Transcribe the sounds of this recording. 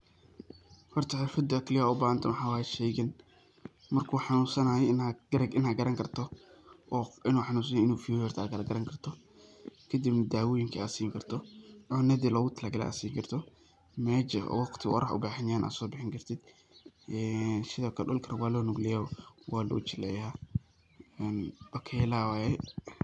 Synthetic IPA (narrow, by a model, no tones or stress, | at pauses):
hɔrt̪ʰɐħɛfɐd̪ɐkʰlɪjaʊbaɐnt̪ʰɐnwħaːwaːjɛʃɛːɣɪn | mɐrkʰuːħɑnuːsɐnaːɛɪnaɡɐɾɐʔɪnaɡɐɾɐŋkʰɐrt̪ʰɔʔɔːɪnuːħɑnuːs̬ɐnɛɪnuːfuwɛːrt̪ʰaːɡɐɾɐɡɐɾɐŋkʰɐrt̪ʰɔ | kʰɐd̪ibnɐd̪aːwɔːjɪŋkʰɐasiːŋkʰɐrt̪ʰɔʔɔːnɐðɪlɔːɣʊt̪ʰɐlaːɡɐlɛ̰ʔa̰siːŋkʰɐrt̪ʰɔ | mɛːt͡ʃɐ̰wɑqt̪ʰɪwɑ̰ɾɐħʊ̰baːħɪnjaːnʔa̰ːd̪sɔːbɪħɪŋkɐrt̪ʰɪd̪̥ | ʔɛnsɪðɐkʰɐɗɔlkʰɐɾɐwɑːlɔːnʊɡlɪjawwaːlʊ̰t͡ʃɪlɛ̰jaː | ɛnb̥ɐkʰɛlaːwajɛ